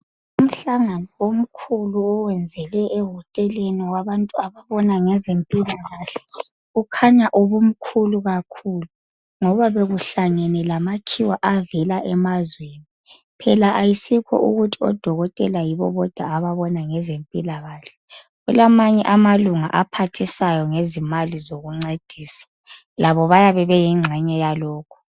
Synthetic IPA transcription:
um̩ɬaŋanɔwom̩kʰuluɔwɛnd͡zʱɛlɛʔːɦɔtʼɛleniwaβantʼuaβaβɔnaŋɛzempʼilaɣaːɬɛ̥ | ɣukʰaɲaʔuβum̩kʰuluɣakʰuːlu | ŋɔβaβeɣuɬaŋɛnɛlamakʰiwaʔavɛlaʔɛmazweni | pʰɛlaʔajisikʰɔ̰ʔṵɣutʰiɔ̰d̥ʱɔɣɔtʼɛlajiβɔ̰βɔd̥ʱwaːβaβɔnaŋɛzempʼilaɣaːɬɛ̥ | ɣulamaɲɛ̰ʔamaluŋa̰ʔapʰatʰisajɔŋezimalizoɣuŋ͡ǀed̥ʱiːsḁ | laβɔβajaβɛβɛjiŋ͡ǁʱɛɲɛjalɔːkʰu̥

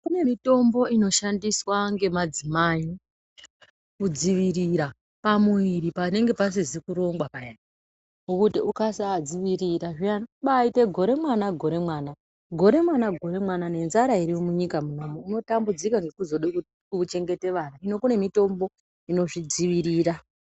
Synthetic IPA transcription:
kune̞mito̞mbo̞ino̞ʃandiswaŋɡe̞mad͡zimai | kud͡ziʋiɾiɾa | pamuiɾipane̞ŋɡe̞pas̬izikuɾo̞ŋɡwapajan | ukutiukasaːd͡ziʋiɾiɾaʐianɓaite̞ɡʱo̞ɾe̞mwanaɡʱo̞ɾe̞mwaːna | ɡʱo̞ɾe̞mwanaɡʱo̞ɾe̞mwanane̞nzaɾaiɾimomuɲikamunomouno̞tambud͡zikaŋɡe̞kuzo̞ɗi | ut͡ʃe̞ŋɡe̞te̞ʋanaino̞kune̞mito̞mbo̞ | ino̞ʐid͡ziʋiɾiːɾa

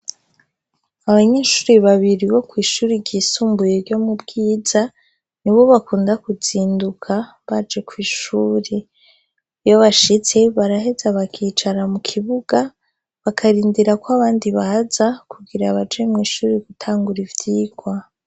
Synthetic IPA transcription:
aβaɲeːʃuːɾiβaβiɾiβo̞kwiːʃuːɾiɟiːsuːmbujeɾɟo̞mubɡiːz̥a | niβo̞βakuːndakuziːndukʰa | βad͡ʒe̞kwiːʃuːɾe | jo̞βaʃit͡se̞βaɾaɦe̞zaβakʰiːt͡ʃaɾamukʰiβuɡ̥a | βakʰaɾiːndiɾakwaβaːndiβahazakʰuɡiɾaβad͡ʒemŋiːʃuːɾiɡutʰaːŋɡuɾivjiːɡ̥wa

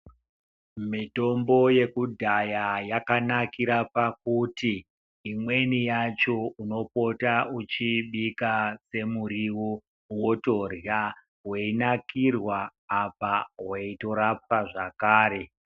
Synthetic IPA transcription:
mito̞mbo̞je̞kudʱajajakanakiɾapakutiː | mwe̞nijat͡ʃo̞uno̞po̞taut͡ʃiɓikase̞muɾiwo | woto̞rja | ɦweinakirwaːpaweito̞ɾapaʐakaːɾe̞

